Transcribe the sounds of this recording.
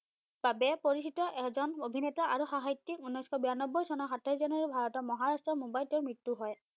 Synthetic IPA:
b̥abɛpoɹisitɔʔɛzɔnobʱinɛtɔʔaɹuxaɦajtːikunːɔjskʰɔbianɔbːɔjsɔnɔxatʰajzanaɹibʱaɹɔtɔmɔɦaɹastɹɔmobajltɔɹmɹitːuɦɔj

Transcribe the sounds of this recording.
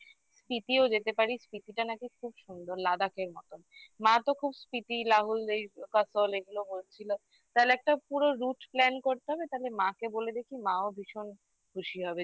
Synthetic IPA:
spit̪iod͡ʑet̪epaɾispit̪iʈanakikʰubʃund̪oɾlad̪akeɾmɔ̰t̪onmãt̪okʰubspit̪ilaɦulejkasoleɡulobolt͡ɕʰilo | t̪alɛk̚ʈapuɾoɾuʈplɛnkoɾt̪eɦɔbet̪alemãkeboled̪ekʰimãobʱiʃon | ɡʰʱuʃiɦɔbe

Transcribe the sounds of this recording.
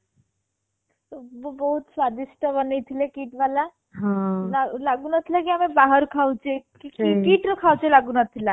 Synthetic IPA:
t̪obobɔɦut̪sʋad̪isʈəbənejt̪ʰilekiːʈʋala | ɦãlalaɡunət̪ʰilakiamẽbaɦəɾkʰaut͡ʃʰekikikiːʈɾɔkʰawt͡ʃelaɡunat̪ʰila

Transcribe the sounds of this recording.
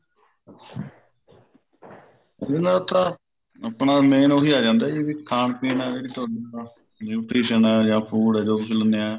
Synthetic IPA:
d͡ʒãːnd̪aːt̪ãː | əpɳaːmeːnoːɦiːaːd͡ʒãːnd̪aːd͡ʒeːʋiːkʰaːɳpiːnaːd͡ʒeːɽiːt̪ʊaːɖia | uːʈɾiːʃənɛːd͡ʒãːpʰuːɽɛːd͡ʒoːbɪsʰələneɛː

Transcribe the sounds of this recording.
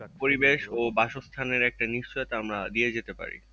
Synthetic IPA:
poɾibeʃobaʃost̪ʰaneɾɛk̚ʈaniʃt͡ɕoet̪amɾad̪ied͡ʑet̪epa̰ɾḭ

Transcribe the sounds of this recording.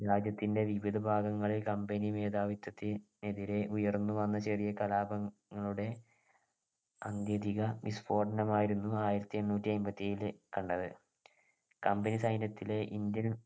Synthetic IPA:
ɾaːd͡ʑjɐt̪ːinde̞ʋiʋid̪ʱɐbʱaːɡɐŋːɐɭilkɐmbenime̞ːd̪aːʋit̪ːɐt̪ːil | eðiɾe̞ʔujɐrnːuʋɐnːɐt͡ɕɐrijɐkɐlaːbɐːɐɭuɽe̞ | ɐnd̪jɐd̪iɣɐmisfo̞ːɖɐnɐmaːjiɾunːuaːjiɾɐt̪ːie̞nːuːtːiɐmbɐt̪ːiejlɨkɐɳɖɐðɨ | kɐmbenisɐjnjɐt̪ːile̞ʔind̪jɐn

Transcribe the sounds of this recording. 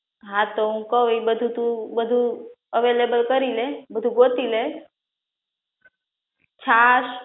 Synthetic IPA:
ɦãt̪oɦũkəʋibəd̪ʱut̪ũbəd̪ʱu | əʋelebəlkəɾilebəd̪ʱuɡot̪ile | t͡ʃʰas

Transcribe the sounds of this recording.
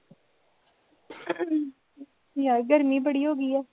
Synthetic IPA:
jaːɡəɾmiːbəɽiɦoːɡəiːɛː

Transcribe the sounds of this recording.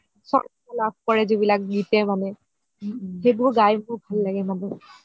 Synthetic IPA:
sɔ̰ | alab̚ʱkɔɹɛzibilak̚ɡitɛmanɛ | xebʊɹɡajmʊɹbʱalːaɡɛmanɛ

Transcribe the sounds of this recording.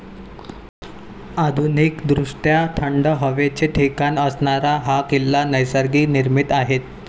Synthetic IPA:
ad̪ʱunikd̪ɾuʂʈjat̪ʰəɳɖəɦəʋet͡ɕeʈʰekanəsɳaɾaɦakilːanəjsəɾɡiːniɾmit̪aɦet̪

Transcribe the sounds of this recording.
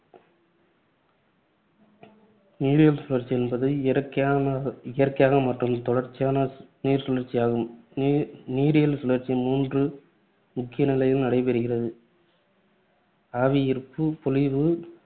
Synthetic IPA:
niːɾɪjɐlsʊlɐɾt͡ʃɪjɛnbɐðɯɾkː | ɪjɐrkɐjaːɣɐmɐʈrɯmt̪ɔɽɐɾt͡ʃːɪjaːnɐniːɾsʊlɐɾt͡ʃːɪjaːɣɯm | niːɾɪjɐlsʊlɐɾt͡ʃːimuːndrɯ | mʊkːɪjɐnɪlɐjɪlnɐɽɐɪpɛɾɯɣɪrɐðɯ | aːʋɪjɪɾɯpːɯpɔlɪʋɯ

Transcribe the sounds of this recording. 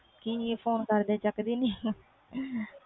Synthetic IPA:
kiepʰoːnkəɾd̪ẽːt͡ʃəkd̪iːniː

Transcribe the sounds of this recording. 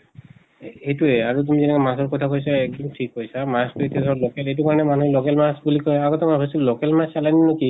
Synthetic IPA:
ejtuɛaɹut̬umizɛnɛkɛmasɔɹkɔtʰakojs̬aɛk̚dɔmitʰikɦojsamastuetiasɔɔlokɛlejtukaɹɔnɛmanulokɛlmasbulikɔjaɡɔtɛmakʰɔsulokɛlmasalajninoki

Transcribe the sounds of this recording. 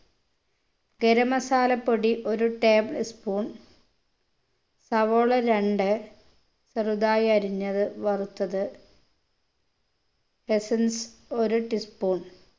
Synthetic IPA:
ɡeɾɐmɐsaːlɐpːoɽiʔo̞ɾuʈeːbɭispuːɳ | sɐʋoːɭɐɾeɳɖɨ | sɐrud̪aːjɐɐɾiɲːɐðɨʋɐrut̪ːɐðɨ | hesɐnso̞ɾuʈispuːɳ

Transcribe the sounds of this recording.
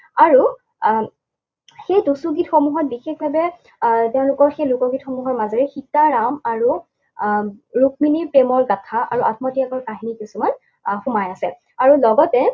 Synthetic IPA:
aɹu | xejtusuɡitxomuɦɔt̚bixexbʱabɛ | tɛʊ̃lʊkɔɹxejlʊkɔɡitxɔmuɦɔɹmazɔɹɛxitaɹamaɹu | ɹuk̚minipɹemɔɹɡatʰaa̰ɹuʔat̚mɔtiakɔɹkaɦinikisuman | xʊmajasɛ | aɹulɔɡɔtɛ

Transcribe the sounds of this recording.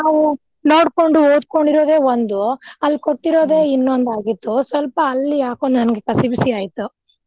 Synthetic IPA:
naːʋu | no̞ːɽko̞ɳɖuoːd̪̚ko̞ɳɖiɾoːd̪e̞ːʋond̪uɐlːikoʈːiɾo̞ːd̪e̞ːinːond̪aːɡit̪ːusʋɐlpɐːlːijaːkond̪nɐnɐɡekɐsibisiaːjit̪u

